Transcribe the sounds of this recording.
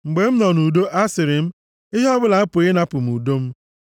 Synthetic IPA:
ŋ͡m̩˨ɡ͡be˨m̩˦nɔ˨nu˨do˦ʔa˦sɪ˨ɾɪ˨m̩˦ | ɪ˦ɦɔ˦bʊ˦la˨a˦pʊ˨ɣɪ˦na˦pʊ˨m̩˨u˨do˦m̩˦

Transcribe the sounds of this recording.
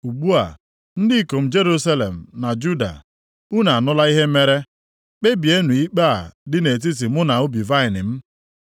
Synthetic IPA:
u˨ɡ͡bu˦a̰˨ | n̩˦dɪ˦˨ko˨m̩˦d͡ʒe˦ɾu˦sa˦le˨m̩˨na˨d͡ʒu˦da̰˨ | u˦na˨a˨nʊ˦la˦i˦ɦe˦me˦ɾe˦ | k͡pe˦bi˨e˦nu˨i˦k͡pa˦a˨dɪ˦ne˨t̬i˦s̬i˨mʊ˦na˨ʊ˦bi˨va˦ɪ˨nɪ˨m̩˦

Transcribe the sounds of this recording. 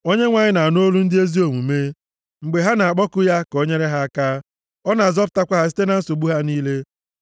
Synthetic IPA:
o˦ɲe˦ŋʷa˨ɲɪ˦na˨no˦lu˦n̩˦dɪ˦e˦zi˦o˨ŋu˨me˦ | ŋ͡m̩˨ɡ͡be˨ɦa˦na˨a˨k͡pɔ˦kʊ˦ja˦ko˦ɲe˦ɾe˦ɦa˦ka˦ | ɔ˦na˨zɔ˦p̚ʊ̥˨ta˦kʷa˦ɦa˦si̥˦te˦na˨n̩˦so˨ɡ͡bu˦ɦa˦niː˦le˦

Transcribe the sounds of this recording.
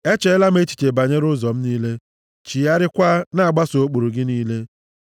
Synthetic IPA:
e˦t͡ʃe˦la˦m̩˦e˦t͡ʃi̥˨t͡ʃe˨ba˨ɲe˦ɾʊ˦zɔ˨m̩˦niː˦le˦ | t͡ʃi˨ja˦ɾɪ˦kʷa˦na˦a˨ɡ͡ba˦so˦k͡po˨ɾu˨ɡɪ˦niː˦le˦

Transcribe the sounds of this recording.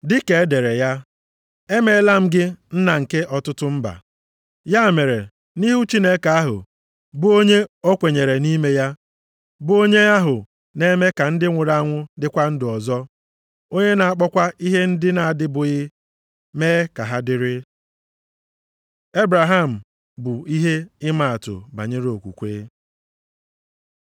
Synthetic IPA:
dɪ˦ke˨e˦de˨ɾe˨ja˦ | e˦me˦la˦m̩˦ɡɪ˦n̩˦na˨ŋ̩˨ke˦ʔɔ˨tʊ˦tʊ˦m̩˦ba̰˨ | ja˦˨me˨ɾḛ˨ | ni˦ɦu˦t͡ʃi˦ne˦ka˨a˦ɦʊ̰˨ | bʊ˦o˦ɲe˦o˦kʷe˨ɲe˨ɾe˨ni˦me˦ja˦ | bʊ˦o˦ɲe˦a˦ɦʊ̰˨ | ne˦me˦ka˨n̩˦dɪ˦ŋʷʊ˨ɾa˦˨˦ŋʷʊ˦dɪ˦kʷa˦n̩˦dɪ˨ɔ˨zɔ˦ | o˦ɲe˦na˨a˨k͡pɔ˦kʷa˦ʔi˦ɦe˦n̩˦dɪ˦na˨a˨dɪ˦bʊ˨ɣɪ˦ | meː˦ka˨ɦa˦dɪ˦ɾɪ˦ | e˦bɾa˨ɦa˦˨m̩˨ | bʊ˨i˦ɦe˦ɪ˦ma˦˨a˨tʊ̰˨ba̰˨ɲe˦ɾo˨kʷṵ˨kʷeː˦

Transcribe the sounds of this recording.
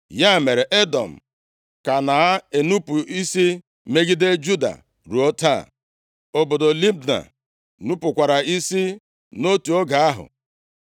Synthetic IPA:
ja˦˨me˨ɾe˨ʔe˦dɔ̰˨m̩˨ | ka˨na˨a˦e˨nu˦pu˨i˦si˦ | me˦ɡi˦de˦d͡ʒu˦da̰˨ | ɾu˨o˦ta̰˦˨ | o˦bo˨do˨li˦bna̰˨ | nu˦pʊ˨kʷa˨ɾa˨i˦si˦ | no˦tu˨o˦ɡa˨a˦ɦʊ̰˨

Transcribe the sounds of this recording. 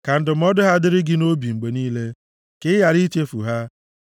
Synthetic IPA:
ka˨n̩˦dɪ˨m̩˦ɔ˦dʊ˦ɦa˦dɪ˦ɾɪ˦ɡɪ˦no˦bi˨ŋ͡m̩˨ɡ͡be˨niː˦le˦ | kɪ˦ja˨ɾi˦t͡ʃe˦fṵ˨ɦa˦

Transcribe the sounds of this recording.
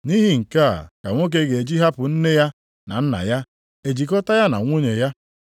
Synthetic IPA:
ni˦ɦi˦ŋ̩˨ka̰˦˨ka˨ŋʷo˦k̬e˦ɡe˨d͡ʒi˦ɦa˦pʊ˨n̩˦ne˦ja˦ | na̰˨n̩˦na̰˨ja˦ | e˨d͡ʒi˨kɔ˦ta˦ja˦na̰˨ŋʷo˦ɲe˨ja˦

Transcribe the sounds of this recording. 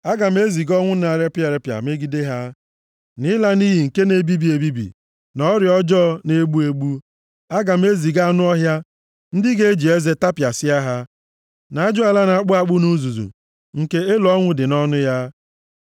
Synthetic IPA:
a˦ɡa˨m̩˦e˦zi˨ɡɔ˦ŋʷʊ˦na˨ɾe˦pɪ˦a˨ɾe˦pja̰˨me˦ɡi˦de˦ɦa˦ | nɪ˦la˦ni˦ɦi˨ŋ̩˨ke˦ne˦bi˦bi˨e˨bi˦bḭ˨ | nɔ˦ɾjɔ˦d͡ʒɔ˦ne˦ɡ͡bu˦e˦ɡ͡bu˦ | a˦ɡa˨m̩˦e˦zi˨ɡa˦˨nʊ˦ɔ˦ɦja˦ | n̩˦dɪ˦ɡe˦e˦d͡ʒi˨e˦ze˦ta˦pja˨sɪ˦a˦ɦa˦ | na˨a˦d͡ʒʊ˦a˨la˦na˨˦k͡pʊ˦a˦˨k͡pʊ˦nu˦zu˨zṵ˨ | ŋ̩˨ke˦e˦lɔ˦ŋʷʊ˦dɪ˨nɔ˦nʊ˦ja˦

